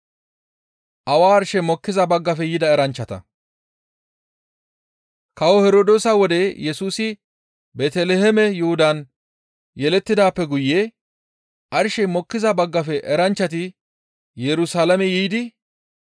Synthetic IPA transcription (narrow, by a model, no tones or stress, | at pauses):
ʔɐwaːɐɾʃɛmɔkːɪzɐbɐɡːɐfɛjɪd̪ɐɛɾɐnt͡ʃːɐt̪ɐ̰ | kɐwɔhɛɾoːd̪oːsɐwɔd̪ɛjɛsuːsɪ | beːt̪ɛlehɛmɛjʊhʊd̪ɐn | jɛlɛt̪ːɪd̪aːpːɛɡʊjːeː | ʔɐɾʃɛmɔkːɪzɐbɐɡːɐfɛʔɛɾɐnt͡ʃːɐt̪̬ɪ | jɛɾʊsaːlɐmɛjijd̪ɪ